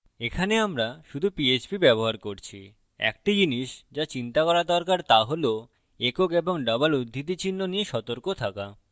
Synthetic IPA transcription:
ekʰaneamɾaʃud̪ʱupiet͡ɕpibɛboɦaɾkoɾt͡ɕʰi | ɛ̰kʈid͡ʑiniʃd͡ʑat͡ɕint̪akɔɾad̪ɔɾkaɾt̪aɦolo | ekokeboŋɖɔbalud̪ʱːit̪̬it͡ɕinːonijeʃɔt̪oɾkot̪ʰaka

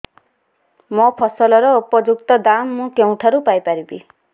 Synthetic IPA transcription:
mɔpʰɔsɔlɔɾɔupɔd͡ʒuk̚t̪ɔd̪amːũkeũʈʰaɾupajpaɾibi

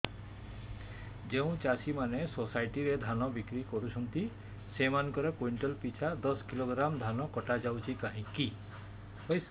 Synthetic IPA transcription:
d͡ʒew̃t͡ʃasimanesosajʈiɾed̪ʱanɔbikɾikɔɾut͡ʃʰɔnt̪i | semanɔ̃ŋkɔɾekojɳʈɔlpit͡ʃʰad̪ɔskiloɡɾamd̪ʱanɔkɔʈad͡ʒawt͡ʃʰikaɦĩki | hojs

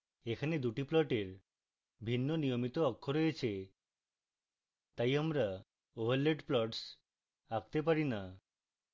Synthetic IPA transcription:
ekʰaned̪uʈiplɔʈeɾ | bʱinːonijomit̪oɔkʰːoɾojet͡ʃʰe | t̪ajamɾa | obʱaɾleʈplɔʈs | akt̪epaɾina

